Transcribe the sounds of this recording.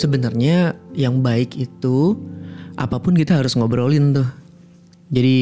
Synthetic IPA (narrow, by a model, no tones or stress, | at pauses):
səbənərɲajaŋbaɪkit̪u | ʔa̰papʊnkit̪aɦaɾʊsŋobəɾolɪnt̪ʊh | d͡ʒadi